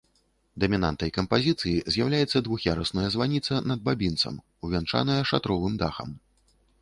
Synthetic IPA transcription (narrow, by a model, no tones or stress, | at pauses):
d̪ɐmʲina̰nt̪ɐjkɐmpazʲit̪sɨjizʲjawlʲajɛt̪sːɐd̪vuxjaɾɐsnɐjɐzvanʲit̪sɐnɐd̪̚babʲint̪sɐ̰m | uvʲɛnt͡ʂa̰nɐjɐʂa̰t̪ɾɔvɨmd̪axɐ̰m